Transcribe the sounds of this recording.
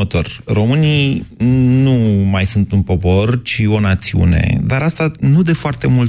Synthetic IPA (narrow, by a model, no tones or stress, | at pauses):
ət̪o̞̰rro̞mɨnij | numajsunt̪unpo̞po̞rt͡ʃio̞nat̪siṵne̞̰d̪aɾast̪anud̪e̞foart̪emul